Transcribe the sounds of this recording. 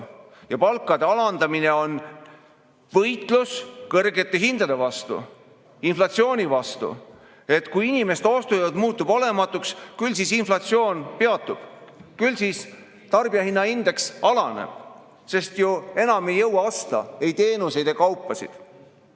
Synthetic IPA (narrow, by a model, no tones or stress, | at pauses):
jɑpɑlkːˑɑd̪e̞ɑlɑnd̪̥ɑmine̞o̞n | vɤ̞jt̪ˑluskɤrɡe̞t̪ːˑe̞ɦind̪̥ɑd̪̥e̞vɑst̪ṵ | inflɑt̪sio̞ːnʲivɑst̪ṵ | e̞t̪ːkujinʲime̞st̪ost̪ujɑd̪muːt̪ːˑubo̞lemɑt̪ːˑukskylsisinflɑt̪sio̞ːnpeɑt̪ːˑub̥kylsis | t̪ɑrbiɑhinːɑind̪̥e̞ksɑlɑnḛb̥ | se̞st̪jue̞nɑme̞jːɤwɑɑst̪ɑ̰e̞jt̪e̞ːnuse̞jd̪ekɑwpːˑɑsḭd̪̥